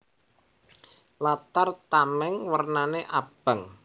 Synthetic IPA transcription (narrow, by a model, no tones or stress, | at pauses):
lat̪art̪amɛŋwərnaneʔab̥a̤ŋ